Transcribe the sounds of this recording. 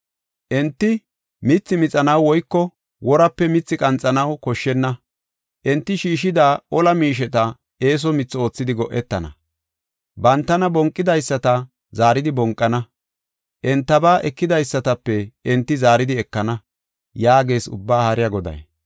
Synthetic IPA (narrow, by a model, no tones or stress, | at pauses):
ʔɛnt̪ːɪ | mɪt͡sːɪmɪt͡sʼɐnɐwwɔjkːɔ | wɔɾɐpːɛmɪt͡sːɪkʼɐnt͡sʼːɐnɐwkɔʃːɛnːɐ | ʔɛnt̪ːɪʃiːʃɪd̪aːʔɔlɐmiːʃ̬ɛt̪ɐ | eːs̬ɔmɪt͡sːo̞ːt͡sːɪd̪ɪɡɔʔːɛt̪ːɐnɐ̰ | bɐnt̪ːɐnɐbɔŋkʼːɪd̪ɐjsːɐt̪ɐ | zaːɾɪd̪ɪbɔŋkʼːɐnɐ | ʔɛnt̪ːɐbaːʔɛkːɪd̪ɐjsːɐt̪ɐpːɛɛnt̪ːɪzaːɾɪd̪ɪɛkːɐnɐ | jaːɡe̞ːsʊ̰bːaːhɐɾɪjɐɡɔd̪ɐ̰j